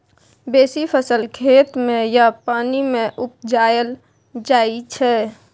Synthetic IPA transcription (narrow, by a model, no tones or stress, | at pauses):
beːsipʰəsəlkʰeːt̪mẽjapaːnimẽʔʊp̚d͡ʒaːjəl | d͡ʒaːit͡ʃʰɛ